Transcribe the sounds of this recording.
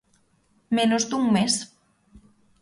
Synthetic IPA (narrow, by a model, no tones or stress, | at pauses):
menozd̪uŋmes